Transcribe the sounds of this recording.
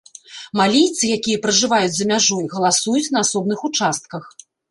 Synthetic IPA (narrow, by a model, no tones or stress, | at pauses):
malʲijt̪sɨjakʲijɐpɾɐʐɨvajud͡zʲzɐmʲaʐɔjɣɐlˠasujut͡sʲnɐasɔbnɨxut͡ʂast̪̚kɐx